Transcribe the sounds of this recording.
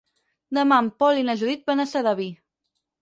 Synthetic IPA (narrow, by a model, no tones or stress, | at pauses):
d̪əmampɔlinaʒuðit̪̚banasaðaβi